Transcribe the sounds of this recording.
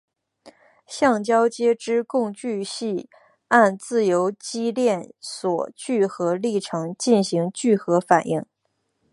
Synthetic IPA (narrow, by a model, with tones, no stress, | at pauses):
ɕjɑ˥˩ŋt͡ɕjɑ˥ʊt͡ɕjɛ˥ʈ͡ʂɻ̩˥kʊ˥˧ŋt͡ɕy˥˧ɕi˥˧ | a˥˧nt͡sɹ̩˥˩jo˧˥ʊt͡ɕi˥ljɛ˥˩nswɔ̰˨˩t͡ɕy˥˩xɤ˧˥li˥˩ʈ͡ʂʰɤ˧˥ŋt͡ɕi˥˩nɕi˧˥ŋt͡ɕy˥˩xɤ˧˥fa˨˩nʔi˥˩ŋ